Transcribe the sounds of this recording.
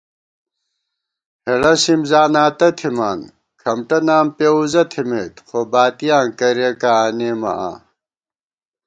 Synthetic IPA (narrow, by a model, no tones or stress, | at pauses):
heɽɐsimzaːnaːt̪ɐt̪ʰimaːn | kʰɐmʈɐnaːmpeuzɐt̪ʰimeːt̪xobaːt̪ijaːŋkɐɾekaaːneːmɐ̰ʔa̰ː